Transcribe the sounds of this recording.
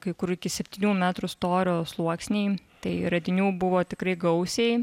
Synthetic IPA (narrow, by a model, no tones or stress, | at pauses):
kɐɪkʊɾuɪkʲɪsʲɛpʲt̪ʲiːnʲuːmʲæːt̪ɾʊst̪oːɾʲoːslˠuɔksʲnʲeɪt̪ɐɪɾɐd̪ʲɪnʲuːbʊʋoːt̪ʲɪkɾɐɪɡɐʊsʲɛɪ